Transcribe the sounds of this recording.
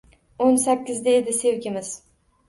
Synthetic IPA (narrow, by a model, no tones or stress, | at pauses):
onsakʲːɪzd̪aed̪ɪse̞wkʲɪmɪz̥